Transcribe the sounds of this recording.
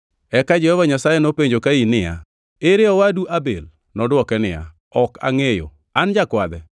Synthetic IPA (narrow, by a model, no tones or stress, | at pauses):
ɛkad͡ʒɛhɔvaɲasajɛnopeɲd͡ʒokainɪja̰ | eɾɪɔwaduʔabḛl | nɔdwɔkɛnɪja̰ | ɔka̰ŋejo̰ | and͡ʒakwad̪ɛ